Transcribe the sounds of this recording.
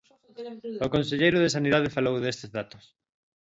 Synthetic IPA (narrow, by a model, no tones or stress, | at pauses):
okonseʎejɾoð̞esaniðað̞efalowðest̪ezðat̪os